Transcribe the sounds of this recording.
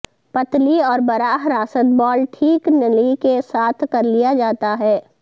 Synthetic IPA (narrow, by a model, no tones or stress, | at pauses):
pɐt̪liɔːɾbɐɾaːɦɾaːsət̪̚bɔːlʈʰiːknəlikesaːt̪ʰkɐɾlijad͡ʒaːt̪aɦɛː